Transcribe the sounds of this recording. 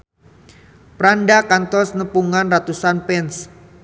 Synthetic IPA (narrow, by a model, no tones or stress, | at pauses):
pɾandakant̪ɔsnəpuŋanrat̪usanpɛns